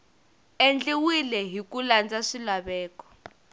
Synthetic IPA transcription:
end͡ɮiwilɛɦikuland͡zaʂilaɓɛːkɔ̥

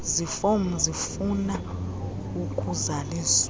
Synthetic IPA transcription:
zifom̩zifuna | ukʰʼuzaliːs

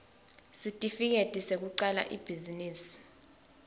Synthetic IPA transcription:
sitʼifik̬etʼisek̬uǀala̰ʔib̥ʱiziniːsi̥

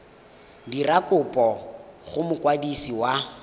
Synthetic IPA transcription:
dirakʼʊpʼɔχʊmʊkwadisiwa

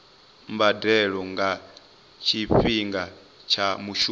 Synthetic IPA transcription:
mbadɛɺɔŋɡa | t͡ʃʰiɸiŋɡa | t͡ʃʰamuʃu

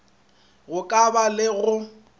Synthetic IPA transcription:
ɣʊkʼabalɪɣʊ

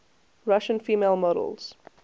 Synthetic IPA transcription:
ɹaʃə̃nfiːmelˠmɔɾə̰lˠz̥

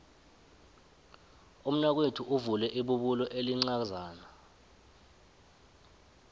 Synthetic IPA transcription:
um̩nak̬wetʰuʔuvulɛʔiɓuɓulɔʔeliŋ͡ǀak̬zaːna

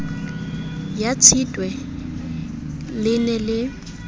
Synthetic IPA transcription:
jat͡sʰitʼwɛ | lɪnɛlɪ

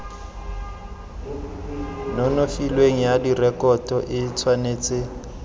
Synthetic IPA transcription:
nɔnofilweŋ̩jadirɛkʼɔtʼɔʔɪt͡sʰwaneːt͡sʼɪ

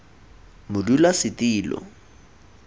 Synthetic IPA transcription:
mʊdulasɪtiːlɔ̰

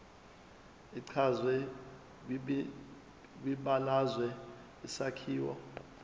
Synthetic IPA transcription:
iǀʰazwɛ | wiɓalazwɛ | isakʰiːwɔ̰

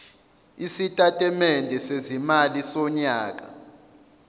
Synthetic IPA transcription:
isitʼatʼɛmɛndʱɛsezimalisɔɲaːk̬ʼa̰

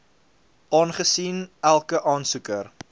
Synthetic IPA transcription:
ʔɑːnχəsinælˠkəʔɑːnsukər

